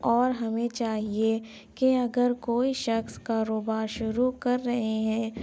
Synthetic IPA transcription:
ɔːɾɦɐmẽt͡ʃaːɦie | keɐɡəɾkoːiʃɐxskaːɾoːbaːɾʃʊɾukɐɾːɐɦeɦɛ̃ː

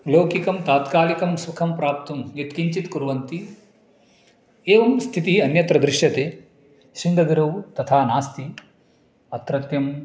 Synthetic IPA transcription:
loːkikɐmt̪aːt̪kaːlikɐmsukʰɐmpɾaːp̚t̪ʰɐmet̪kiɲt͡ʃit̪kuɾʋɐnt̪i | eːʋɐmst̪ʰit̪iɐnjɐt̪ɾɐd̪ɾɪʃjɐt̪eː | ʃind̪ɐɡɾɐwt̪ɐt̪ʰaːnaːst̪i | ɐt̪ɾɐt̪jɐm

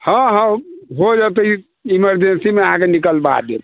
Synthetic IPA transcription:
hə̃ɦə̃ɦod͡ʒat̪əi | iməɾd͡ʒensimeəɦãkenikəlba̰d̪ḛm

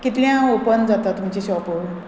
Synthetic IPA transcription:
kit̪ljãopənd͡zat̪at̪ːumt͡ɕiɕɔpo

